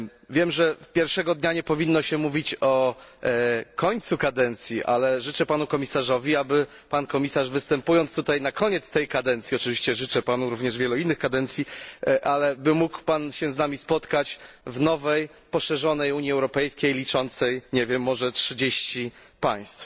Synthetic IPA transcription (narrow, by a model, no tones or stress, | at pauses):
vʲjɛmʐɛpʲjɛɾfʂɛɡɔd̪ɲaɲɛpɔvʲinːɔɕɛmuvʲit͡ɕɔ | kɔɲt̪sukad̪ɛnt̪sʲjiʔa̰lɛʐɘt͡ʂɛpanukɔmʲisaʐɔvʲiabɘ | pankɔmʲisaʐvɘst̪ɛmpujɔnst̪ut̪ajnakɔɲɛt̪st̪ɛjkad̪ɛnt̪sʲiɔt͡ʂɨvʲiɕt͡ɕɛʐɘt͡ʂɛpanuɾuvɲɛʐvʲjɛluinːɘxkad̪ɛnt̪sʲjiʔalɛbɘmukpanɕɛznamʲispɔt̪kat͡ɕvnɔvɛj | pɔʂɛʐɔnɛjuɲjiɛwɾɔpɛjskʲejlʲit͡ʂɔnt̪sɛjɲɛvʲjɛmːɔʐɛtʂɘd͡ʑeɕt͡ɕipaj̃st̪f